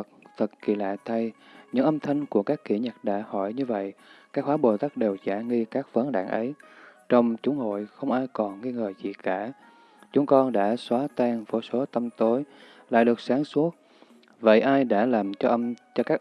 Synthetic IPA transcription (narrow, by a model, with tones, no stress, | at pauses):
k̚t̪ʰə˨˩t̚kḭ˧˩la̰ː˧˨jt̪ʰa˧jɲɨ̰˧˥ŋʔə˧mt̪ʰə˧jŋ̟ku˧˩əkaː˦˥kːḭ˧˩ɲə˨˩t̚ɗa̰ː˧˥hɔ˧˩jɲɨ˧və̰˧˨jkaː˦˥k̚hwaː˨˦ɓo˨˩t̪aː˦˥k̚ɗe˨˩wzaː˧˩ŋi˧kaː˦˥k̚və˨˦nɗa̰ː˧˩ŋʔə˨˦jt͡ɕɔ˧wŋ͡mt͡ɕʊ˨˦ŋ͡mho̰˧˨jxə˧wŋ͡mʔaː˧jkɔ˨˩nŋi˧ŋəː˨˩zḭ˧˨kaː˧˩ | t͡ɕʊ˨˦ŋ͡mkɔ˧nɗa̰ː˧˥swaː˨˦t̪aː˧ŋvo˧˩so˨˦t̪ə˧mt̪o˨˦j | la̰ː˧˨jɗɨ˨˩ək̚saː˨˦ŋsu˦˥ət̚ | və̰˧˨jʔaː˧jɗa̰ː˧˥laː˨˩mt͡ɕɔ˧ʔə˧mt͡ɕɔ˧kaː˦˥k